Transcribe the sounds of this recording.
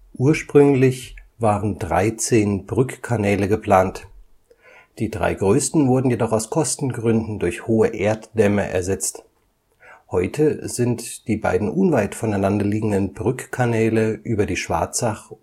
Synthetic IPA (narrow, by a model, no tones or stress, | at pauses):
ʔuːɐʃpʁ̥ʏŋlɪçvaːʁəndʁa̰ɪt͡seːnbʁʏkkʰːanɛːləɡəpl̥aːnt | d̥iːdʁa̰ɪɡʁøːstn̩vʊɐdn̩jedɔχaʊskʰɔstn̩ɡʁʏndn̩dʊɐçhoːəʔeːɐtd̥ɛmɐʔɛ̰ɐzɛt͡st | hɔʏtʰəzɪntd̥iːba̰ɪdn̩ʔʊnvaɪtfɔnaɪnandɐliːɡŋ̩dənbʁʏkkʰanɛːləʔyːbɐdiːʃv̥a̰ɐt͡saχ